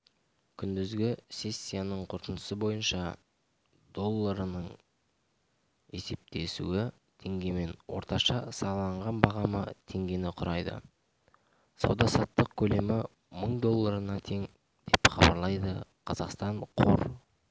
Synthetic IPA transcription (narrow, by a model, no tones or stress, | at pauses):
kʲʰʏnd̪ɪzɡʲɪse̞sʲːijanəɴqʰʊɾt̪ənəsəbo̞jənʃɑ | d̪o̞lˠːaɾənəɴ | e̞se̞p̚t̪ʰe̞sṵɪ | t̪ʰe̞ŋɡʲe̞me̞nwo̞̰ɾt̪ɑʃɑsɑɑlˠɑɴʁɑnbɑʁɑmət̪ʰe̞ŋɡʲe̞nɪqʰʊɾɑjd̪ə̰ | sɑ̰wd̪ɑsɑt̪ːəqkʲʰɵle̞mɪ | məɴd̪o̞lˠːaɾənɑt̪ʰe̞ŋ | d̪̥e̞pχɑbɑ̰ɾlˠɑjd̪əqʰɑzɑqst̪ɑɴqʰo̰ɾ